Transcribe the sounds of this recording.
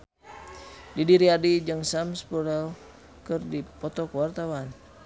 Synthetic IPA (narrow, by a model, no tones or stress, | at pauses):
didiɾiadid͡ʒaŋsamspuɾɛl | kərdipɔt̪ɔkwart̪awan